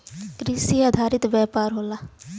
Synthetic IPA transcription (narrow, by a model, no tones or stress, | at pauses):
kɾiːsiːaːd̪ʱaːɾɪt̪ʋjɛːpaːɾɦoːlaː